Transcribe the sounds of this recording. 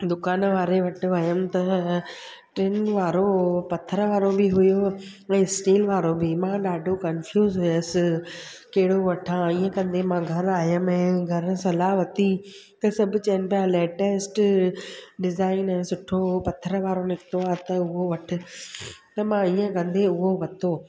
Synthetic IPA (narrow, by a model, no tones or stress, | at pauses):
d̪ʊkaːnʋaːɾeʋɐʈʰɪ̆ʋɐjəmt̪ɐ | ʈɾɪnʋaːɾopɐt̪ʰəɾəʋaːɾobɪɦʊjo | ɛ̃ːsʈeːlʋaːɾobimãɗaːɖʱokɐnfjuːzɦʊjsɪ | kɐɦɪɽoʋɐʈʰãiːə̃kɐ̃nd̪emãːɡʱɐɾaːɦjəmɛ̃ːɡʱɐɾsɐlaːɦʋɐt̪i | t̪ɐsɐbʱʊt͡ɕɐənɪ̆pjalɛːʈeːsʈ | ɖɪzaːɪnɛ̃ːsʊʈʰopɐt̪ʰəɾʋaːɾonɪkt̪oaːt̪ɐʊɦoʋɐʈʰɪ̆ | t̪ɐmãiːə̃kɐ̃nd̪eʊɦoʋɐt̪ʰoː